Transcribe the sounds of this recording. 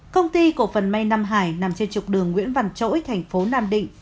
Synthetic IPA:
kə˧wŋ͡mt̪i˧ku˧˩fə˨˩nma˧jna˧mɦaː˧˩jna˨˩mt͡ɕe˧nt͡ɕʊ˨˩k͡p̚ɗɨ˨˩əŋːwḭ˧˥ənva˧˩nt͡ɕo̰˧˥jt̪ʰɛ˨˩jŋ̟fo˨˦naː˧mɗḭ̈˧˨ŋ

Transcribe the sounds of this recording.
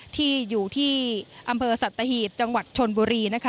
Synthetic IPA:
t̪ʰiː˥˩juː˨˩t̪ʰiː˥˩ʔa˧mpʰɤː˧sa˨˩t̪ːa˧hiː˨˩t̪̚t͡ɕa˧ŋwa˨˩t̪̚t͡ɕʰo˧nbuː˧ɾiː˧na˦˥kʰ

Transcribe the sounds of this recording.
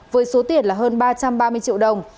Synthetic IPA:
vəː˨˦jso˨˦t̪i˨˩ənlaː˨˩ɦəː˧nɓaː˧t͡ɕa˧mɓaː˧mɨ˧əjt͡ɕḭ˧əwɗə˨˩wŋ͡m

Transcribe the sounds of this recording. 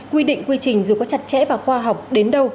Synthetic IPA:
kwi˧ɗḭ̈˧˨ŋ̟kwi˧t͡ɕï˨˩ŋ̟zu˨˩kɔ˨˦t͡ɕa˨˩t̚t͡ɕɛ̰˧˥vaː˨˩xwaː˧ɦa˨˩wk͡p̚ɗe˨˦nɗə˧w

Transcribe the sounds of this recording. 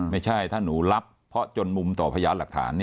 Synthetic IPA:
ma˥˩jt͡ɕʰa˥˩jt̪ʰaː˥˩nuː˩˦la˦˥pʰːɔ˦˥t͡ɕo˧nmu˧mt̪ɔː˨˩pʰa˧jaː˧la˨˩k̚t̪ʰa̰ː˩˦nːi˥˩

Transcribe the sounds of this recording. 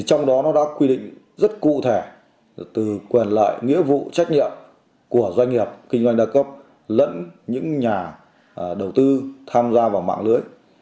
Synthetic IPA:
t͡ɕɔ˧wŋ͡mɗɔ˨˦nɔ˨˦ɗa̰ː˧˥kwi˧ɗḭ̈˧˨ŋ̟ | zə˦˥t̚kṵ˧˨t̪ʰe˧˩ | t̪ɨ˨˩kwi˨˩nla̰ː˧˨jŋḭ˧˥əvṵ˧˨t͡ɕa˦˥jk̟̚ɲḭ˧˨əm | ku˧˩əzwa˧jŋ̟ŋi˨˩əp̚kï˧ŋzwa˧jŋ̟ɗaː˧kə˦˥p̚ | lə̰˧˥nɲɨ̰˧˥ŋɲaː˨˩ | ɗə˨˩wt̪ɨ˧t̪ʰaː˧mzaː˧vaː˨˩wma̰ː˧˨ŋlɨ̰˧˦˥əj

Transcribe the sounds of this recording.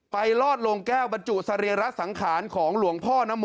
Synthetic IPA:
pa˧jlɔː˥˩t̪̚lo˧ŋkɛː˥˩wba˧nt͡ɕu˨˩sa˧ɾi˧əɾa˦˥sa˩˦ŋkʰaː˩˦nkʰɔː˩˦ŋlu˩˦əŋpʰɔː˥˩na˦˥mː˧

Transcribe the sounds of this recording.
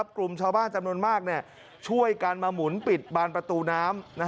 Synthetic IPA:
p̚kɾu˧mt͡ɕʰaː˧wbaː˥˩nt͡ɕa˧mnu˧ənmaː˥˩k̚ni˥˩ə | t͡ɕʰu˥˩əjkaː˧nmaː˧mu˩˦npi˨˩t̪̚baː˧npɾa˧t̪uː˧naː˦˥mna˦˥

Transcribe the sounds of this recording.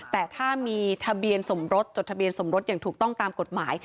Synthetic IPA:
t̪ɛː˨˩t̪ʰaː˥˩miː˧t̪ʰa˧bi˧ənso˩˦mɾo˦˥t̪̚t͡ɕo˨˩t̪̚ʰa˧bi˧ənso˩˦mɾo˦˥t̪̚jaː˨˩ŋt̪ʰuː˨˩k̚t̪ɔ˥˩ŋt̪aː˧mko˨˩t̪̚maː˩˦j

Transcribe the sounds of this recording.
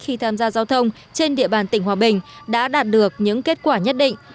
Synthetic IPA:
xi˧t̪ʰaː˧mzaː˧zaː˧wt̪ʰə˧wŋ͡m | t͡ɕe˧nɗḭ˧˨əɓaː˨˩nt̪ï˧˩ŋ̟ɦwaː˨˩ɓï˨˩ŋ̟ɗa̰ː˧˥ɗaː˨˩t̚ɗɨ˨˩ək̚ɲɨ̰˧˥ŋke˦˥t̚kwaː˧˩ɲə˦˥t̚ɗḭ̈˧˨ŋ̟

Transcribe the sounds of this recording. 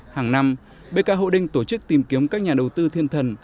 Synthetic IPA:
haː˨˩ŋna˧m | ɓe˧kaː˧˥ɦo̰˧˨ɗï˧ŋ̟t̪o˧˩t͡ɕɨ˦˥k̚t̪i˨˩mki˨˦əmkaː˦˥k̚ɲaː˨˩ɗə˨˩wt̪ɨ˧t̪ʰi˧ənt̪ʰə˨˩n

